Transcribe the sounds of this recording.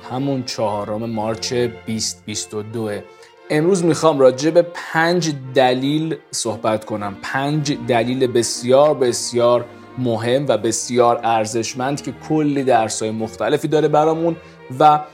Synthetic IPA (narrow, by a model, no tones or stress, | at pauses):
hæmunt͡ʃʰɒːhɒːɾome̞mɒːɾt͡ʃʰeb̥ist̪̚bist̪od̪oe | ʔe̞mɾuːzmixɒːmrɒːd͡ʒe̞be̞pʰænd͡ʒd̪æliːlsohbæt̪kʰo̞næmpʰænd͡ʒd̪æliːlebe̞sjɒːɾbe̞sjɒːɾ | moɦe̞mːvæbe̞sjɒːɾæɾze̞ʃmænd̪̥cʰe̞kʰolːiːd̪æɾshɒːjemoxt̪ʰæle̞fiːd̪ɒːɾebæɾɒːmun | væ